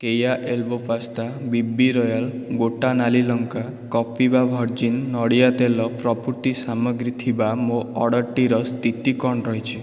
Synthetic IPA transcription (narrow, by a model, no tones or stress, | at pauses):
kejaʔelbɔpʰast̪abibːiɾɔjal | ɡoʈanalilɔŋka | kɔpʰibabʱɔɾd͡ʒinːɔɽijat̪elɔpɾɔpuɾt̪isamɔɡɾit̪ʰibamoɔɽɔɾʈiɾɔst̪it̪ikɔɳɾɔɦet͡ʃʰi